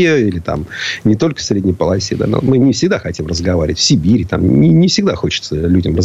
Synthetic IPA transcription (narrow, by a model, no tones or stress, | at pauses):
əilʲɪt̪a̰mnʲɪt̪o̞lʲkə̥fsɾʲedʲnʲɪjpəlˠɐsʲed̪a̰no̰mɨnʲɪfsʲɪɡd̪axɐtʲimrəzɡɐvaɾʲɪ̰ʋətʲfsʲɪbʲiɾʲɪt̪a̰mʲɪnʲɪfsʲɪɡd̪axo̞t͡ɕɪ̥t̪səlʲudʲɪmrəz